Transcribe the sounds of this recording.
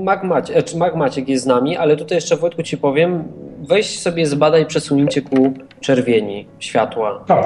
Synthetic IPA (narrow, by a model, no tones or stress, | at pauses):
maɡmat͡ɕɛɛmaɡmat͡ɕɛkjɛst̪namʲiʔalɛt̪ut̪ajɛʂt͡ʂɛvut̪̚kut͡ɕipɔvʲjɛmvɛjɕt͡ɕsɔbʲjɛzbad̪aipʂɛswuɲeɲt͡ɕɛku | t͡ʂɛɾvʲjeɲiɕfʲjat̪waa